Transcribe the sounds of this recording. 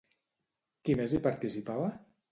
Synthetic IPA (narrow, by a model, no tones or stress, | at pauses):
kimezlipaɾt̪isipaβa